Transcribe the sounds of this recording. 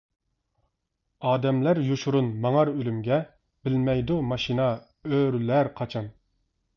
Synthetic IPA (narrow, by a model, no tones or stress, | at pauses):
ɑːd̪ɛmlæɾjoʃuɾunmɑŋɑɾølymɡʲɛ | b̥ɪlmɛjd̪umɑʃinɑ | øɾlæɾqʰɑt͡ʃʰɑn